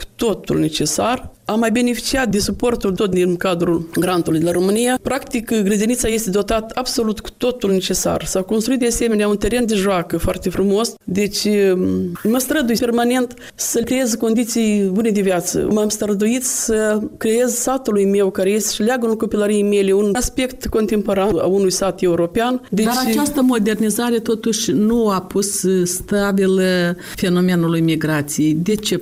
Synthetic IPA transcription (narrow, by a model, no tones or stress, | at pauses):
ku̥t̪o̞t̪ṵlne̞t͡ʃe̞saramːajbe̞ne̞fi̥t͡ʃiat̪̚d̪esupo̞rt̪uld̪ot̪̚d̪inkad̪ɾulɡɾant̪ulujd̪elaɾo̞mɨnijapɾakt̪ikɡɾəd̪einit̪saje̞st̪e̞d̪o̞t̪at̪əabso̞lut̪ku̥t̪o̞t̪ulne̞t͡ʃe̞sa̰rsako̞nst̪ɾuit̪̚d̪ease̞me̞neaunt̪e̞ɾe̞nd̪e̞ʒoakəfoa̰rt̪e̞fɾumo̞sd̪e̞t͡ʃʲ | məst̪ɾəd̪ujpe̞rmane̞nt̪ | səkɾejezko̞nd̪it̪sijbune̞d̪evjat̪sə̰mamst̪əɾəd̪uit̪səkɾeje̞zsat̪ulujme̞wkaɾejest̪ʃileaɡəunko̞pilaɾijejmeleunaspe̞kt̪ko̞nt̪empo̞ɾana̰unujsat̪je̞uɾo̞peand̪ed̪at͡ʃɾat͡ʃast̪əmo̞d̪e̞rnizaɾe̞t̪o̞t̪uʃʲnuapusst̪abil | fe̞no̞menulujmiɡɾat̪sijejd̪e̞t͡ʃe